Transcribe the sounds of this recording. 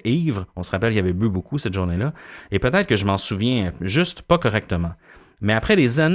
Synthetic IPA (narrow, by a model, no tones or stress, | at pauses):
ʔiːvʁɔ̃səʁapɛlkʲjavɛbybokʰusɛt̪ʒuʁnelaepøt̪ɛːt̪χkəʒəmɑ̃suvjɛ̃ʒyst̪pakɔʁɛk̚t̪əmɑ̃ | mɛapχɛd̪ezan